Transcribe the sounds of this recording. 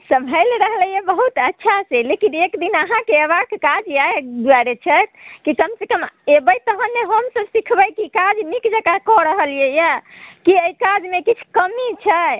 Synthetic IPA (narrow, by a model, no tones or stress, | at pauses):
səbʱəjleɾəɦləjebəɦut̪ətːʃʰaselekinekd̪inəɦãkeəβakkad͡ʒjaed̪uaɾet͡ʃʰət̪kikəmsekəmebəjt̪əɦənːeɦəmsəbsikʰbəjkikad͡ʒmikd͡ʒəkakɔɾəɦəljejakiəikad͡ʒmekit͡ʃʰkəmit͡ʃʰə